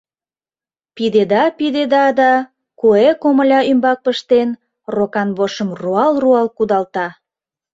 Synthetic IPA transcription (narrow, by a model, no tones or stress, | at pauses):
pid̪ed̪ɑpid̪ed̪ɑd̪ɑ | koekoməlʲɑymbɑk̚pəʃt̪en | rokɑnβoʃəmruɑlruɑlkud̪ɑlt̪ɑ